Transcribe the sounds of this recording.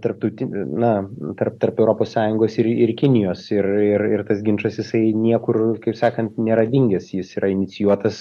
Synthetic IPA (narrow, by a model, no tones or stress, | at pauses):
t̪ɐɾp̚t̪ɐʊt̪ʲɪnɐt̪ɐrp̚t̪ɐrpɛʊɾoːpoːssɑːjʊŋɡoːsɪɾɪrkʲɪnʲɪjoːsɪrɪrɪrt̪ɐsɡʲɪnʃɐsjɪsɐɪnʲiɛkʊrkɐɪpsɑːkɐnt̪nʲɛɾɐdʲɪŋʲɡʲɛsjɪsiːɾɐɪnʲɪt̪sʲɪjuɔt̪ɐs